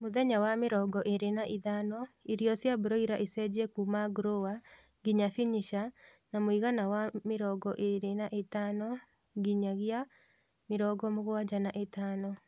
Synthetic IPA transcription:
moðɛɲawameɾɔːɡɔʔeɾenaʔiðanɔiɾjɔsjaboɾɔiɾaʔesɛd͡ʑɛkumaɡɾowa | ɡiɲafiɲiʃa | namoiɣanawameɾɔɡɔʔeɾenaʔetaːnɔ | ɡiɲaɣja | meɾɔɡɔmoɣwad͡ʒanaʔetaːnɔ

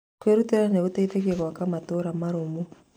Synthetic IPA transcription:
kweɾuteɾaneɣuteiteɣeɣwakamatoɾamaɾomu

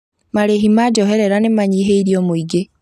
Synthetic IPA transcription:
maɾeɦimad͡ʒɔɦɛɾɛɾanemaɲiːɦeiɾiɔmoiɡe

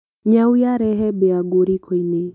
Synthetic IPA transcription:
ɲawiaɾɛɦɛbɛaɡuɾikʰini

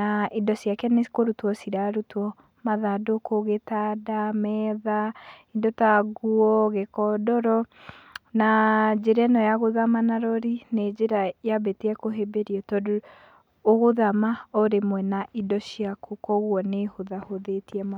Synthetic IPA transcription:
aʔidɔsiakɛnekoɾutwɔsiɾaɾutwɔ | maðadokoɣetadamɛðaindɔtaɡuɔɣekɔdɔɾɔ | nad͡ʒeɾɛnɔjaɣoðamanaɾɔɾined͡ʒeɾajabeteɛkoɦebeɾiɔtɔdo | oɣoðamaoɾemwɛnaʔidɔsiakokɔɣwɔnehoðahoðetiɛma

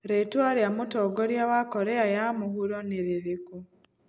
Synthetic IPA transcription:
ɾetwaɾjamutoɡoɾjaβakoɾeajamuhuɾoniɾiɾiku

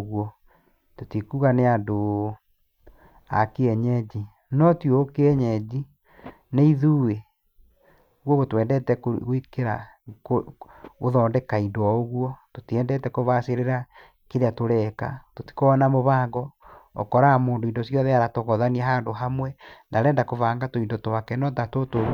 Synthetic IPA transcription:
ɣwɔ | totikuːɣaneando | a̰keɛɲɛd͡ʑi | nɔtjoːkeɛɲɛd͡ʑi | neiðuwe | oɣwɔɣwɔtwɛːndɛtɛkɣikeɾa | kooðɔːndɛkaidwɔoɣwɔtotiɛːndɛtɛkoβaseɾeɾa | keɾeatoɾɛka̰toti̥koɔnamoβaːŋɡɔɔ̰kɔɾamoːndoindosjɔðeaɾatoɣɔðaniaɦaːndoɦamwɛnaɾɛːndakovaːŋɡatoindotowakɛnɔtatoto

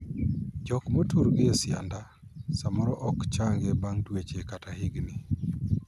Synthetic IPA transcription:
d͡ʒɔkmotuɾɡɪesɪa̰nda | samɔɾɔʔɔkt͡ʃaŋɡebaŋtwet͡ʃekatahɪɡnɪ

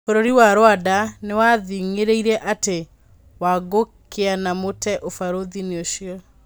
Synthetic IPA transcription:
oɾoɾiwaɾwadanewaðiŋeɾeiɾɛʔate | waɡokʰeanamotɛʔofaɾoðineoʃiɔ

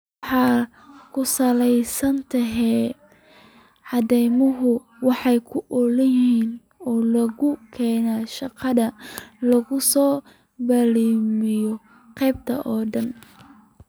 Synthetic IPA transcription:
wħɑː | kʰʊsɐlɛjsɐnt̪ʰɐɦɛː | ʕɑðɛjmɐɦʊ | wɑħɑjkʰʊʔɔlɐjiːn | ɔːlɐɣʊkʰɛːnaːʃɑqɑðɐlɐɣʊsɔː | bɐliːmɪjɔ | qɛjb̚t̪ʰɐ̰ʔɔːɖɐn

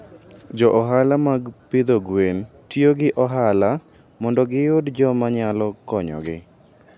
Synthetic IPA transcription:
d͡ʒɔʔɔɦalamaɡpid̪oɡwentjoɡɪʔɔɦala | mɔndɔɡɪjʊdd͡ʒɔmaɲalɔkɔɲɔ̰ɡɪ̰

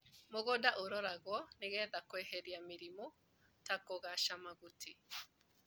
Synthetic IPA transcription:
moɣɔdaʔoɾɔɾaɣwɔneɣɛðakwɛɦɛɾiamiɾimɔ | takoɣaʃamaɣutʰi

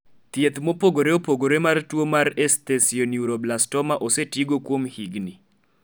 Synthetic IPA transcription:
t̪jet̪mopoɡoɾeopoɡoɾemartwomarestesionjuɾoblastɔmaʔosetiɡokwomhiɡni

